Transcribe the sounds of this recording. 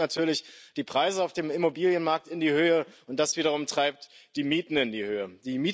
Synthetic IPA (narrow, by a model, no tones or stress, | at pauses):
natʰyːɐlɪçd̥iːpʁ̥aɪzəaʊfd̥eːmɪmobiːljənmaɐk̚tɪndiːhøːəʊnt̚d̥asv̥iːɾɐʁʊmtʁ̥aɪp̚td̥iːmiːtn̩ɪndiːhøːəd̥iːmiː